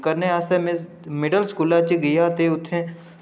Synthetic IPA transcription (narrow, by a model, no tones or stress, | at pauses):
kəɾneaːst̪emẽ | mɪɖəlskuːlaːt͡ʃiɡijaːt̪eʊt̪ʰːẽ